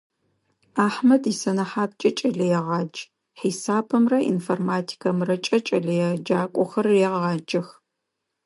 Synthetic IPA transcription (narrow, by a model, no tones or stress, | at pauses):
aːħmɐdisɐnɐħaːp̚t͡ʃʼɐt͡ʃʼɐɮɐjɛʁɑːd͡ʒ | ħisaːbʰɨmrɐʔḭnformaːtʰi̥kʰɐmrɐt͡ʃʼɐt͡ʃʼɐɮɐjɛd͡ʒaːkʷʼɔxɐrjɛʁɑːd͡ʒɐx